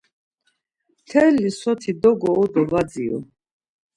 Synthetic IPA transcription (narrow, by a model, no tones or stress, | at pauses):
mt̪ʰɛlːisɔt̪ʰid̪ɔɡɔːd̪ɔvad̪d͡ziɔ̰